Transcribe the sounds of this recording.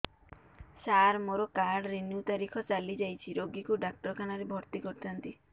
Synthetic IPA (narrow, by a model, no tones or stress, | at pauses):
saɾmoɾɔkaɽɾinjut̪aɾikʰɔt͡ʃalid͡ʒajt͡ʃʰiɾoɡikuɖak̚ʈɔɾkʰanaɾebʱɔɾt̪ikɔɾt̪ʰant̪i